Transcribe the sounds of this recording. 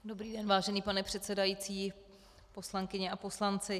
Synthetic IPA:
do̞bɾiːdɛnvaːʒɛniːpanɛpr̝̥ɛt̪sɛdajiːt͡siː | po̞slaŋkɪɲɛʔapo̞slant͡sɪ

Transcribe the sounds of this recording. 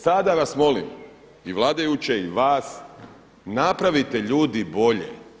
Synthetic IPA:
sad̪aʋasmo̞lḭm | iʋlˠaːd̪ajut͡ɕeiʋaːs | napɾaʋit̪e̞ʎuːd̪ibo̞ʎḛ

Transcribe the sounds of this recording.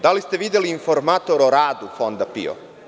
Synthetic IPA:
d̪alist̪eʋid̪jeliːnfo̞ɾmat̪o̞ɾoɾaːd̪ufond̪apḭo̰

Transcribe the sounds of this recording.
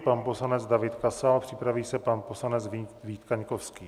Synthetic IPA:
panposlanɛd͡zdavɪt̪kasalpr̝̥ɪpɾaviːsɛpanposlanɛt͡sviːt̪kaɲkofskiː

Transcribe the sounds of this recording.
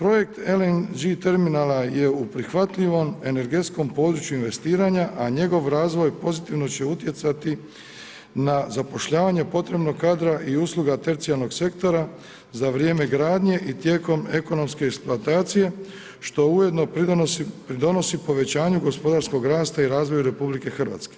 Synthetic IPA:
pɾo̞je̞k̚t̪elend͡ʒit̪eɾminalaje̞upɾixʋat̪ʎiʋo̞me̞ne̞ɾɡe̞t̪sko̞mpo̞ːd̪ɾut͡ɕjuinʋe̞st̪iːɾaɲaʔaɲe̞ɡo̞ʋɾaːzʋo̞jpo̞zit̪iʋno̞t͡ɕe̞ut̪je̞t̪sat̪i | nazapo̞ʃʎaːʋaɲe̞po̞t̪ɾe̞bno̞ɡkːaːd̪ɾaʔiuːslˠuɡat̪e̞ɾt̪sijalˠno̞ɡse̞kt̪o̞ɾa | zaʋɾje̞ːme̞ɡɾaːd̪ɲe̞ʔit̪je̞ːko̞me̞ko̞no̞mskeːksplˠuat̪aːt̪sije̞ | ʃt̪o̞ujed̪no̞ | pɾid̪o̞no̞sipo̞ʋe̞t͡ɕaːɲuɡo̞spo̞d̪aɾsko̞ɡɾaːst̪aiɾaːzʋo̞juɾe̞publike̞xr̩ʋa̰ːt̪ske

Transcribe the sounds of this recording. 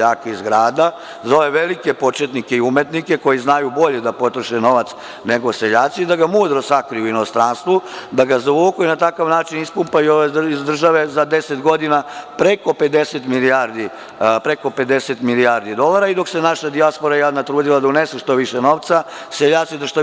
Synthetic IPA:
aːkeizɡɾaːd̪a | zo̞ʋeʋe̞like̞po̞t͡ʃet̪nikeiumet̪nike̞ko̞jiznajubo̞ʎe̞d̪apo̞t̪ɾoʃeno̞ʋat̪s | ne̞ɡo̞seʎaːt̪sid̪aɡamuːd̪ɾosakɾiuinost̪ɾanst̪ʋud̪aɡazoʋuːkojinat̪akaʋnaːt͡ʃinispumpajuoʋeizd̪r̩ʒaʋe̞zad̪e̞set̪ɡo̞d̪inapɾe̞ko̞pe̞d̪e̞set̪milijaɾd̪i | pɾe̞ko̞pe̞d̪e̞set̪miliaːɾd̪id̪o̞lˠaːɾaid̪o̞kse̞naʃad̪iaspo̞ɾajanat̪ɾuːd̪ilad̪aunesuʃt̪o̞ʋiʃeno̞ʋt̪sa | seʎaːtsid̪aʃt̪o

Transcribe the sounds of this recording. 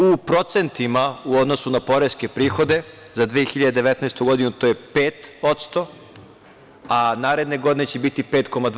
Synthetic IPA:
upɾo̞t̪se̞nt̪imauo̞d̪no̞sunapo̞ɾeske̞pɾiːxo̞d̪e̞ | zad̪ʋijexiʎad̪ed̪e̞ʋɛt̪nɛest̪uɡo̞d̪inut̪o̞ːjepeːt̪ot̪st̪o̞ | anaːɾe̞d̪ne̞ɡo̞d̪inet͡ɕebit̪ipeːt̪ko̞mad̪

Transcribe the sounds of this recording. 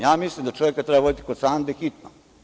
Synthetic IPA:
jaːmislimd̪at͡ʃoʋjekat̪ɾebaʋod̪t̪i̥kod̪saːnd̪exit̪no

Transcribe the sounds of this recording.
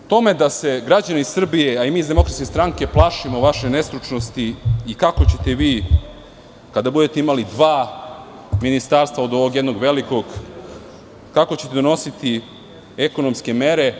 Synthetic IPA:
t̪o̞me̞d̪ase̞ɡɾad͡ʑaneisr̩bije̞aimiːzd̪eo̞kɾat̪ke̞st̪ɾaŋke̞plˠaʃimo̞ʋaʃe̞ne̞st̪ɾut͡ʃnost̪iːkako̞t͡ɕe̞t̪e̞ʋiː | kad̪abud̪e̞t̪eimalid̪ʋaː | minist̪aːɾst̪ʋao̞d̪o̞ʋo̞ɡjed̪no̞ɡʋe̞liko̞ɡ | kako̞t͡ɕet̪ed̪ono̞sit̪i | eko̞no̞mske̞meɾe̞

